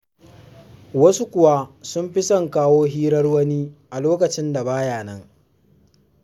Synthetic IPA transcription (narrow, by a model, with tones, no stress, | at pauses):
wɐ˦su˦kʷʊ˨wa˦sʊ˦mɸɪ˦sɐ˨ŋkaː˦woː˦ɦiː˦ɾɐ˦rwɐ˦niː˦ʔa˨loː˦kɐ˨t͡ʃɪ˦nda˨baː˦jaː˨nɐ˦ŋ